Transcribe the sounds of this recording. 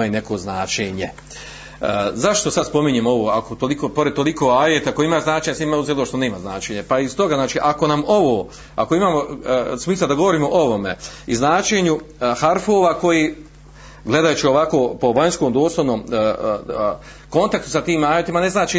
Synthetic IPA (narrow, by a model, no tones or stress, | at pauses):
jine̞koːznaːt͡ʃeːɲe | zaʃt̪o̞sad̪spo̞miɲeːmo̞ʋoːakot̪olikoːpo̞ɾed̪̚t̪o̞likoːaːjet̪aakoimaːznaːt͡ʃeɲasimauzelooʃt̪oneːmaznaːt͡ʃeːɲepaist̪o̞ɡaznaːt͡ʃiːʔako̞namoʋoː | ako̞imaːmosmiːslˠad̪aɡoʋo̞ɾiːmo̞ʔoʋo̞mḛiznaːt͡ʃeːɲuhaɾfoːʋako̞ji | ɡle̞d̪ajut͡ʃio̞ʋakoːpo̞ʋaɲskoːmd̪oːslˠoʋnoːm | ko̞nt̪akt̪u̥sat̪iːmaːjet̪imane̞znaːt͡ʃi